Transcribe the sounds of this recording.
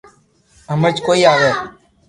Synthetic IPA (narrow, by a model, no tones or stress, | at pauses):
əməɾt͡ʃkoːiːaːʋeː